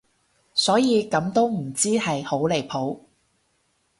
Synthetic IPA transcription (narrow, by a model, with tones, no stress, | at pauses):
sɔː˨˥jiː˨˧kɐ˨˧˥mt̪o˥wm̩˨˩t͡siː˥hɐ˨jho˨˥wle˨˩jpʰo˨˥w